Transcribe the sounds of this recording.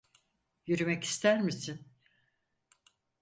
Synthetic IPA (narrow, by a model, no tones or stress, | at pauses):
jyɾymɛci̥st̪ʰæɾmisin